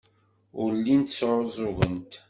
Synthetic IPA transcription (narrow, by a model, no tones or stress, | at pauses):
ʊɾlːint̪sʕzˤʊʁənt̪